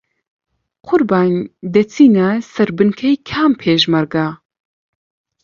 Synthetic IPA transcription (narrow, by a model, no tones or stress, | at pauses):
qʰʊɾbaːnd̪ɐt͡sʰiːnasɐɾbɨnkʰɐjkʰaːmpʰeːʒmɐɾɡa